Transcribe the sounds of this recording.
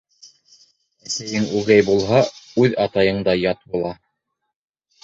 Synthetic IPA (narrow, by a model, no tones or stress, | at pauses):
æsæjɘŋʉɡæjbulˠɦɑʉðɑt̪ɑjɤ̆ɴd̪ɑjɑt̪̚bulˠɑ